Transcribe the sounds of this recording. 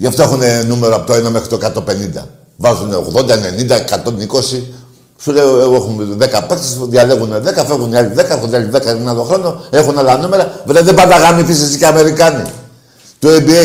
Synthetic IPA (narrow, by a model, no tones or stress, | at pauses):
ʝɐft̪oe̞xunenume̞ɾoɐpot̪oenɐme̞xɾit̪oekat̪ope̞nind̪ɐ̰ | vɐzuneo̰ɣðo̞nd̪ɐene̞nind̪ɐekɐt̪o̞niko̞si | suleoeexunðe̞kɐpekt̪esðʝɐle̞ɣuneðe̞kɐfeɣuniaʎiðe̞kɐexuniaʎiðe̞kɐnaloxɾo̞no̞e̞xunalɐnume̞ɾɐveðeðebɐndɐɣamifisesiceɐme̞ɾikɐni | t̪uebie